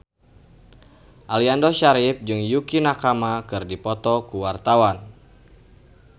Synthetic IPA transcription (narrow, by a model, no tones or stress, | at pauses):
ʔaliandɔʃaɾip̚d͡ʒɨŋjukinakamakɨrdipɔt̪ɔkuwart̪awan